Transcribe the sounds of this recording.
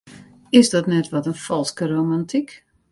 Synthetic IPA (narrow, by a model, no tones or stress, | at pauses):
ɪsdɔtnɛtʋɔtənfɔlˠskəɾomantʰik